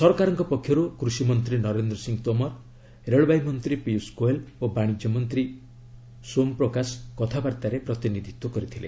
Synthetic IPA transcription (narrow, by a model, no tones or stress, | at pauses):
sɔɾɔkaɾɔŋkɔpɔkʰːjɔɾukɾusimɔnt̪ɾinɔɾend̪ɾɔsiŋt̪ɔmɔɾ | ɾeɭbajmɔnt̪ɾipiuskoelobaɽ̃id͡ʒjɔmɔnt̪ɾi | sompɾɔkasɔ̥kɔt̪ʰabaɾt̪aɾepɾɔt̪inid̪ʱit̪wɔkɔɾit̪ʰilḛ